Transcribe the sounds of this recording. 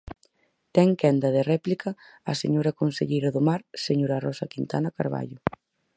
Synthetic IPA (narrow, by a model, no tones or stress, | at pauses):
t̪ɛŋkɛnd̪ɐð̞erɛplikɐː | sḛɲoɾɐkonsḛʎejɾɐðʊmaɾseɲoɾɐrɔsɐkint̪a̰nɐkaɾβa̰ʎʊ